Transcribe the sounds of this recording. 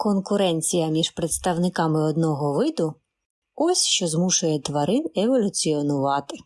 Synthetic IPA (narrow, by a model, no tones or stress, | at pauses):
kɔnkʊɾɛnʲt͡sʲijɐmʲiʒpɾet̪st̪ɐwnɪkɑmɪɔd̪nɔɦɔʋɪd̪ʊ | ɔsʲʃt͡ʃɔzmuʃʊjɛt̪ʋɐɾɪneʋɔlʲʊt͡sʲiɔnʊʋɑt̪ɪ